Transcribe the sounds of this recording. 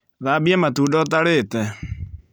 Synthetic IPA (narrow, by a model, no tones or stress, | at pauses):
ðaːbiɛmatuːdɔt̬aɾetɛ